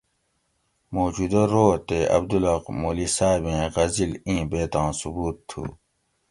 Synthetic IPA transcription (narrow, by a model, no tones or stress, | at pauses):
moːd͡ʑud̪ɐɾoːt̪eɐ̰b̚d̪ulɐqmoːlisaːbẽːɣɐzilĩːbeːt̪ãːsubuːt̪ʰːṵː